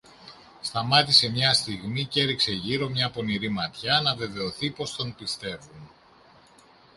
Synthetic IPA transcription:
st̪ɐmɐt̪ise̞mɲɐst̪iɣmice̞ɾikse̞ʝiɾo̞mɲɐpo̞niɾimɐt̪çɐnɐve̞ve̞o̞θipo̞st̪o̞npist̪e̞vun

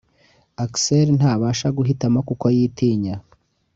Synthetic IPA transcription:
akseɾn̥haːβaːʃaɡuɦitamakukojiːtiːɲa

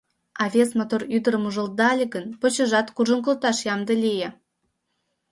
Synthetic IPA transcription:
ɑvʲesmot̪oryd̪əɾəmuʒə̆l̚d̪ɑlʲeɣə̆npot͡ɕə̆ʒɑt̪kuʒə̆ŋkəlt̪ɑʃjɑmd̪ə̆lʲejĕ

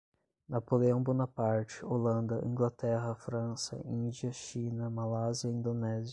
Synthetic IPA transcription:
napoleɐ̃w̃bonɐpaɾt͡ʃɪolɐ̃nd̪ɐʔḭ̃ŋɡlat̪ɛɦɐfɾɐ̃sɐ̰ĩd͡ʒiɐʃĩnɐmalaziɐĩnd̪onɛziɐ

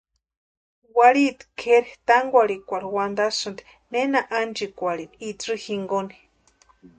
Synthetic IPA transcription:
waɾit̪i̥kʰeɾit̪aŋɡʷaɾikʷaɾiwand̪asɨnd̪i̥ | nenaʔand͡ʒikʷaɾinit͡sɨhiŋɡoni̥

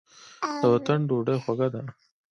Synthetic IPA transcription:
d̪̥əwat̪əɳɖoɖajxwaɡad̪a

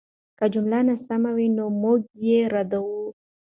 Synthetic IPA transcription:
kad͡ʒʊmlanasamawinomuɡjeɾad̪awu

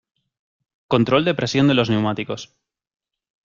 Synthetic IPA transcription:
ko̞nt̪ɾo̞ld̪e̞pɾe̞sjo̞nd̪e̞lo̞zne̞wmat̪iko̞s

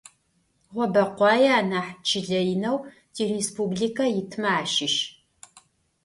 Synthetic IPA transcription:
ʁʷɔbɐqʷɑːjɛaːnaːħt͡ʃʰɪɮɐjɪnɐw | tʰiːrespublikʰɐjɪtʰmɐaːʃɪʃ

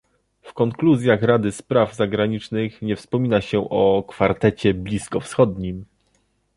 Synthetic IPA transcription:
fkɔŋkluzʲjaxɾad̪ɘspɾavzaɡɾaɲit͡ʂnɘxɲɛfspɔmʲinaɕɛʔɔkfaɾt̪ɛt͡ɕɛblʲiskɔfsxɔd̪ɲim

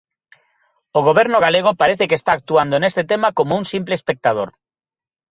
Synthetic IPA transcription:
oɣ̞oβeɾnoɣ̞aleɣ̞opaɾeθekest̪ak̚t̪uand̪oenest̪et̪emakomouŋsimpleːspek̚t̪að̞o̰ɾ

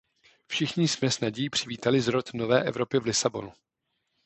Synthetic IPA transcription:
fʃɪxɲɪsmɛsnaɟiːpr̝̥ɪviːt̪alɪzɾo̞t̪no̞vɛːʔɛvɾo̞pjɛvlɪsabo̞̰nu

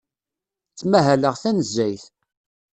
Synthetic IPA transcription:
t͡sːmæɦæləʁθænəzːæjθ

